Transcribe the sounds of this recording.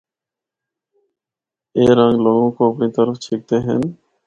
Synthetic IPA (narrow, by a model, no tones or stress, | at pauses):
eɾaŋlɔŋokoapnit̪aɾoft͡ɕʰek̚t̪eɦɛ̰n